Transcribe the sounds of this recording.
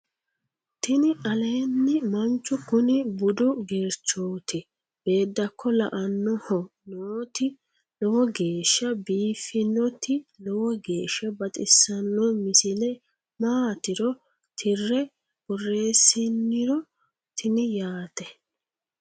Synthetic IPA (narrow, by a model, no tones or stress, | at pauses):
t̪ɪnɪʔɐleːnːɪmɐnt͡ʃːʊkʊnɪbʊd̪ʊɡeːɾt͡ʃːoːt̪ɪ | b̥e̞ːd̪ːɐkʰːɔlɐ̰ʔɐnːɔhɔnoːt̪ɪ | lɔwɔɡe̞ːʃːɐbiːfːɪnːɔt̪ɪlɔwɔɡe̞ːʃːɐbɐt̪ʼɪsːɐnːɔmɪsɪlɛ | maːt̪ɪɾɔ | t̪ʰɪrːɛ | b̥ʊrːe̞ːsːɪnːɪɾɔ | t̪ʰɪnɪjaːt̪ɛ